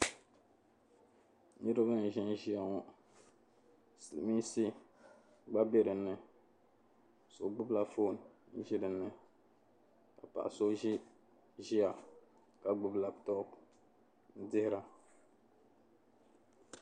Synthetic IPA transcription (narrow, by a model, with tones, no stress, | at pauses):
ni˦ɾɨ˦bɨ˦n̩˨ʒɪ˦nʒi˦a˨ŋɔ˦ | slmi˦si˦ | ɡ͡ba˦be˦ɾɨ˨nːɨ˨ | so˨ɡ͡bʊ˦bla˦fo˦˨n˨n̩˦ʒi˦dɨ˨nːɨ˨ | ka˨pa̰˨ʔa˨so˦i˦ | ʒi˦a˨ | ka˨ɡ͡bʊ˦bla˨btɔ˦p | n̩˦dɪ˦hɪ˦ɾa˦